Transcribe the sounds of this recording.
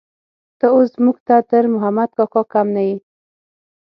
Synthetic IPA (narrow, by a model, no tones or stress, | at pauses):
t̪əoszmuɡt̪at̪əɾmʊɦamad̪̚kɑkɑkamnawi